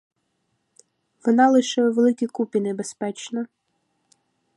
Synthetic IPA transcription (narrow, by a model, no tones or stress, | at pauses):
ʋɔnɑlˠɪʃɛʋelˠɪkʲikupʲinebespɛt͡ʃnɐ